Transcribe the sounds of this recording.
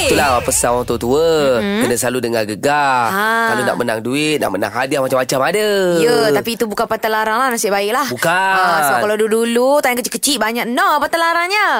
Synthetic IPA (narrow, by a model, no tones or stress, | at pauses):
it̪ulapəsaŋwaŋt̪ot̪uəkənəsəlaludəŋaɡəɡaakalona̰ʔmənaŋduɪt̪̚na̰ʔməna̰ŋɦadiahmat͡ʃamːat͡ʃamadəjət̪apiːt̪ubukanpat̪əlaɾaŋlahnasɪʔbaɪk̚lahbukasəbakaladudulut̪ajaŋkət͡ʃikət͡ʃiʔ̚baɲaknɔpat̪alaɾaŋɲə